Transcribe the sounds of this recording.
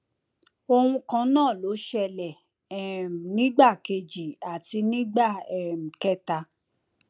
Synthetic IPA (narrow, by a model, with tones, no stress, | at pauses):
o˧hũ˧kã˧˦nãː˦˨lo˨˦ʃɛ˧lɛ˨ | ɛ˨nĩ˨˦ɡ͡ba˦˨ke˧d͡ʒi˨a˨ti˧nĩ˦ɡ͡ba˦˨ɛ˨m̩˨kɛ˦ta˧